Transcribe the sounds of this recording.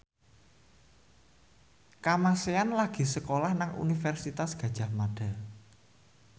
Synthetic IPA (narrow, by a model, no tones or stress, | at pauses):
kamaseanlaɡ̥i̤səkolahnaŋṵnifɛrsit̪asɡ̥ä̤d̥ʒ̥a̤hmaɖ̥a̤